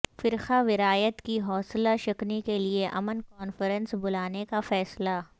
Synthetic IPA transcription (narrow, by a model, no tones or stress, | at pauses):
fɪɾxaʋɪɾaːjət̪kiɦɔːslaʃɐknikelieʔɐmənkɔːnfəɾə̃nsbʊlaːnekafɛːsla